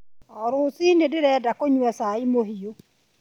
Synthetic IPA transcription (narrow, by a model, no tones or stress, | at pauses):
ɔɾoːsiːnedeɾɛːdakoɲwɛsaimoɦio